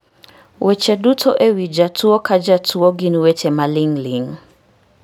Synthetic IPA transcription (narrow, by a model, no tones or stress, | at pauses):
wʔɛt͡ʃɛdutʰɔʔewid͡ʒatuɔkad͡ʒatʰuɔɡiniwɛt͡ʃɛmalɪŋlɪŋ